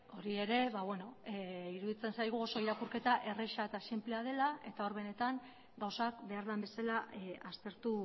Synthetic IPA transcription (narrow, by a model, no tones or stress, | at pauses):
o̞ɾie̞ɾe̞βaβwe̞no̞eiɾuðit͡se̞nsajɣ̞uo̞so̞iɾakuɾke̞t̪aʔe̞reʃaet̪asimpleað̞e̞laʔe̞t̪ao̞ɾβe̞ne̞t̪aŋ | ɡawsakbe̞aɾðambe̞salaast̪e̞ɾt̪u